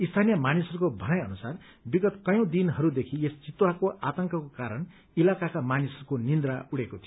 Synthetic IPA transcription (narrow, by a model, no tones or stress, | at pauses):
ist̪ʰanijʌmanisʌɾukobʱʌnʌjʌ̰nusar | biɡʌt̪kʌjõd̪inɦʌɾud̪ekʰiest͡sit̪wakoʔa̰t̪ʌŋkʌkokaɾʌɳ | ilakakamanisʌɾukonind̪ɾauɽekot̪ʰijo